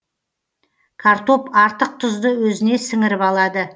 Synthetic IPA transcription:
kʰaɾt̪o̞pɑɾt̪əq̚t̪ʰʊzd̪əwɵzɪne̞sɪŋɪɾɪpɑlˠɑd̪ə

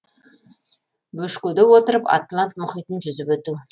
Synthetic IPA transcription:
bɵʃkud̪ɪwo̞t̪əɾəpa̰t̪lˠant̪mʊχijt̪ənʒʏzɪpwɵt̪u

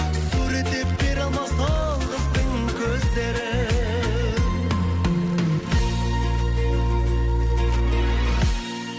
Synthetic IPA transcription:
suɾet̪ep̚beɾɑlˠmɑst̪ɑlˠʁəzd̪əŋ | kʲʰɵzd̪eɾɪ

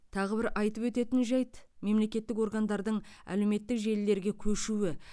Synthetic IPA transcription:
t̪ʰɑʁəbɪɾʔɑjt̪əpwɵt̪e̞t̪ɪnʒɑjt̪me̞mle̞kʲe̞t̪ːɪko̞rɡand̪ɑɾd̪əɴæ̰lewme̞t̪ːɪkʒe̞lːe̞ɾɡʲe̞kʲʰɵʃuwɪ

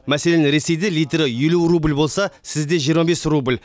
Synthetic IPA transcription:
mæsele̞nɪɾe̞se̞jd̪e̞lijt̪ɾɪjelurublbo̞lˠsɑsɪzd̪e̞ʒijəɾmɑbe̞srublʲ

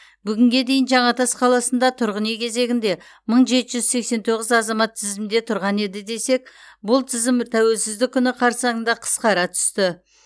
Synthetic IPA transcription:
bʏɡʲɪŋɡʲe̞d̪e̞jɪnʒɑɴɑt̪ʰɑsqʰɑlˠɑsənd̪ɑt̪ʰʊɾʁənekʲʰe̞ze̞ɡʲɪnd̪e̞ | məɴʒe̞t̪ɪʒʏzse̞kse̞nt̪ʰo̞ʁəzɑzɑmɑt̪ʰːɪzɪmd̪e̞t̪ʰʊɾʁɑne̞d̪ɪd̪e̞se̞k̚bʊlˠt̪ʰɪzɪmt̪ʰæwe̞lsɪzd̪ɪkʲʰːʏnɪqʰɑɾsɑənd̪ɑqʰə̥sqɑɾɑt̪ʰʏ̥st̪ɪ

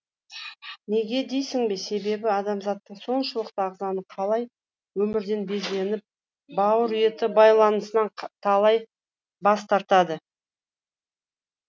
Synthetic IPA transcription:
ne̞ɡʲe̞d̪e̞jsɪŋbe̞se̞be̞bɪɑd̪ɑmzɑt̪ːəɴso̞nʃəlˠəqt̪əɑʁzɑnəqʰɑlˠɑj | wɵmɪɾd̪e̞nbe̞zle̞nɪp̚ | bɑwəɾʏje̞t̪ɪbɑjlˠɑnəsənɑɴt̪ʰɑlˠɑj | bɑst̪ɑɾt̪ɑd̪ə

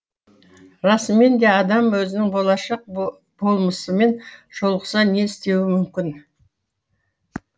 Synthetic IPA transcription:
ɾɑsəme̞nd̪e̞ɑd̪ɑmwɵzɪnɪŋbo̞lˠɑʃɑq̚ | bo̞lˠməsəme̞nʒ̥o̞lˠəqəsɑne̞ɪst̪e̞wɪmʏmkʲɪn

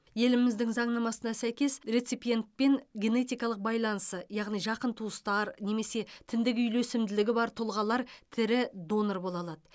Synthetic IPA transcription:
je̞lɪmɪzd̪ɪŋzɑɴnɑmɑsənɑsæjkʲe̞sɾe̞t̪sijpije̞nt̪̚pe̞ŋɡʲe̞ne̞t̪ijkɑlˠəq̚bɑjlˠɑnəsəjɑʁnijʒɑqənt̪ʰuəst̪ɑɾne̞me̞se̞t̪ʰɪnd̪ɪɡʲɪʏjlɵsɪmd̪ɪlɪɡʲɪbɑɾt̪ʰʊlˠʁɑlˠɑɾt̪ʰɪɾɪd̪o̞noɾbo̞lˠɑlˠɑd̪ə

